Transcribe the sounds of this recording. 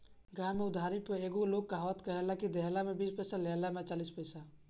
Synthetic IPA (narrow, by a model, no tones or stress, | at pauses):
ɡãːmẽʊd̪ʱaɾipəeːɡoloːɡ̚kaɦɔːt̪kəɦelakid̪ʱeɦlamẽbiːspəːsalɛlamẽt͡ʃaːliːspəjsa